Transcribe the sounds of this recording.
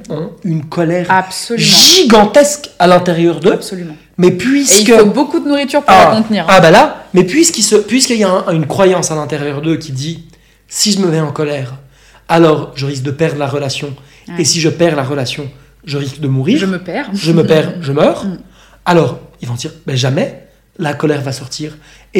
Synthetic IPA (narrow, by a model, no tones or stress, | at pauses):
ɑ̃ynkʰɔlɛʁapsʒiɡɑ̃t̪ɛskalɛ̃t̪eʁjœʁd̪øsɔlym̃ | mɛpɥiseilkəfobokud̪ənuʁit̪yʁpaakɔ̃t̪niːʁabalamɛpɥiskʲilsəpɥiskəijaɛ̃ynkχwajɑ̃salɛ̃t̪eʁjœʁd̪økʲid̪i | siʒəməvɛɑ̃kɔlɛʁ | alɔʁʒəʁis̬k̚d̪əpɛʁd̪ʁlaʁəlasjɔ̃ | esiʒəpɛʁlaʁəlasjɔ̃ | ʒəʁiskd̪əmuʁiːʁʒəpɛʁʒəməpɛʁʒəmœːʁ | alɔːʁilvɔ̃d̪iʁbɛʒamɛ | lakɔlɛʁvasɔʁt̪iːʁ | e